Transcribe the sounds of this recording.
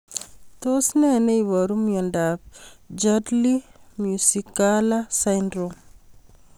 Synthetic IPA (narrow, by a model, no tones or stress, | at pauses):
tosneneiβɔɾumjɔndap̚d͡ʒadlimjusikːalasajndɾom